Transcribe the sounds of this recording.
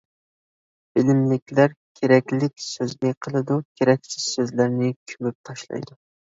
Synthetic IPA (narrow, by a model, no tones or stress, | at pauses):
b̥ɪlɪmlɪkʲlæɾkʲʰeɾɛkʲlɪkʲsøzɡʲɛqʰəlˠɨd̪ukʲʰeɾɛkʲsɪ̥z̥søzlæɾnɪkʲʰymyp̚t̪ʰɑʃlˠɑ̰jd̪ʊ